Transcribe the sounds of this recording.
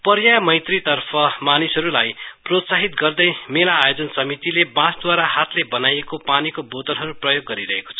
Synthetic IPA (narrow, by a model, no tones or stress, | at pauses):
pʌɾjajmʌjt̪rit̪ʌrpʰʌmanisʌɾulajprot̪saɦit̪ɡʌrd̪ʌjmelaːjod͡zʌnsʌmit̪ilebãsd̪waɾahat̪lebʌnajekopanikobot̪ʌlɦʌɾuprʌjoɡːʌɾiɾʌɦeko̥t͡sʰʌ